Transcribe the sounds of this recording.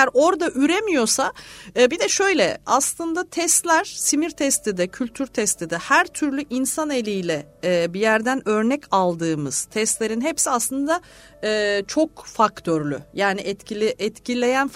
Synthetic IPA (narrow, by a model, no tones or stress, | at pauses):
jæɾo̞ɾd̪aʔyɾemijo̞saɯbid̪ɛʃø̞jlʲɛ̰aslˠɯnd̪at̪ʰɛst̪lʲæɾ̥simiɾt̪ʰɛst̪ʰid̪ɛcʰylʲt̪ʰyɾt̪ʰɛst̪ʰid̪ɛhæɾt̪ʰyɾlʲyʔinsane̞lʲijlʲɛːbijæɾd̪ænø̞ɾnɛcalˠd̪ɯːmɯz̥t̪ʰɛst̪lʲe̞ɾinɦepsiaslˠɯnd̪a | ɯːt͡ʃʰo̞kfakt̪ʰøɾlʲy̰jaːniʔɛt̪cilʲʔɛt̪cilʲe̞jænf